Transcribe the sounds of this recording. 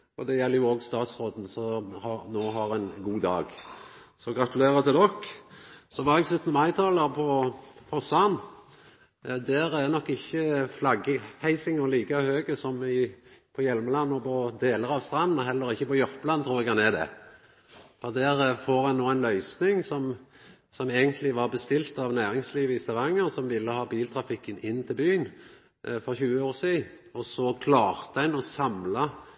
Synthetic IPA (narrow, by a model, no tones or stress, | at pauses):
ɔd̪ɛjɛlːəɾjʊoːɡst̪ɑːt̪sʁoːd̪n̩sɔhɑnoːɦɑɾæɪnɡuːd̪ɑ̰ːɡsɔɡɾɑt̪ʉleːɾət̪ɪlɔkː | sɔʋɑːɾɛɡslʉt̪ːnəmɑɪt̪ʰɑːləʁpʰɔpʰɔsɑn | d̪æɾænɔkːɪçːəflɑɡəhæɪsɪŋəliːkɑhøːɡəsɔmɪpʰɔjɛlməlɑnːɔpʰɔd̪eːləɾɑʋst̪ɾʁɑnːnɑɦɛlːəɾɪçːəpɔjʊɾpəlɑnt̪ʰɾuːʁɛɡɑnɛd̪ɛ̰ | fɔd̪æɾfoːɾʁɑnoːæɪnlœʏsnɪŋsɔm | sɔmeːɡənt̪ʰlɪʋɑʁbəst̪ɪlt̪ɑʋnæːʁɪŋsliːʋəɪst̪ɑʁɑŋːəsɔmʋɪlːəhɑːbiːlt̪ʰɾɑfɪkːənɪnːt̪ʰɪlbyːən | fɔʁçʉːəoːʁsiː | ɔsɔkʰlɑːʁt̪əæɪnɔsɑmlɑ